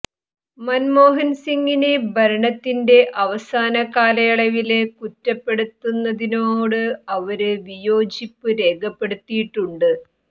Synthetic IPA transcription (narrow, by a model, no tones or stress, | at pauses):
mɐnmo̞ːɦɐnsiŋɡinebɐɾɐɳɐt̪ːinde̞ʔɐʋɐsaːnɐkaːlɐjɐɭɐʋilekutːɐpːe̞ɽut̪ːunːɐðinoːɽɨɐʋɐɾɨʋijo̞ːd͡ʑipːɨɾe̞ːɡʱɐpːe̞ɽut̪ːijiʈːuɳɖɨ